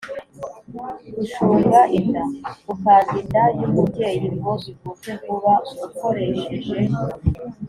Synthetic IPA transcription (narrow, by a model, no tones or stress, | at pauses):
ɡuʃuːmɡaʔindaɡukaːzindajumubɟe̞jiŋɡo̞zikutekuβaɡuko̞ɾe̞ʃeʒe